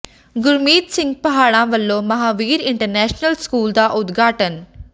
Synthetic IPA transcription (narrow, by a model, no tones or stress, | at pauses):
ɡʊɾmiːt̪sɪ̃ŋɡ̚pəɦaːɽãːʋəlːõːməɦaːʋiːɾɪɳʈəɾnɛːʃnəlskuːld̪aːʔʊd̪ɡʱaːʈən